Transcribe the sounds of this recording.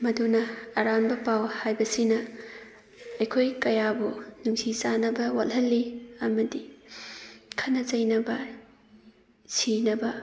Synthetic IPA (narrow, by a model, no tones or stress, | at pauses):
mɐdunɐːɾanbɐpawhajbɐsinɐ | ɐjkʰojkɐjabunuŋsʰisanɐbɐwathɐlːiɐmɐdi | kʰɐnɐzɐjnɐbɐ | sinɐbɐ